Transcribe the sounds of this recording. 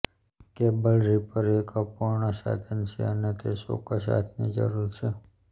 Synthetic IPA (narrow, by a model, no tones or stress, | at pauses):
kebəlɾipəɾekapoɾɳəsa̰d̪ʰʱənt͡ʃʰḛənet̪eso̰kəs̬a̰t̪ʰnid͡ʒə̰ɾuɾt͡ʃʰe